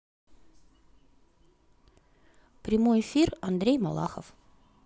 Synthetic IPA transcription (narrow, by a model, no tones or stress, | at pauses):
pɾʲɪmojɪfʲirɐnd̪ɾʲejmɐlˠa̰xə̰f